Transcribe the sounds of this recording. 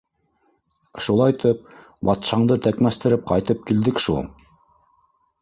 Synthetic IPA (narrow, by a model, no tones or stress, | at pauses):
ʃulˠɑjt̪ɤp̚ | bɑt̪ʃɑɴd̪ɤt̪ækmæst̪ɘ̆ɾɘp̚qɑjt̪ɤp̚kild̪ɘkʃṵlˠ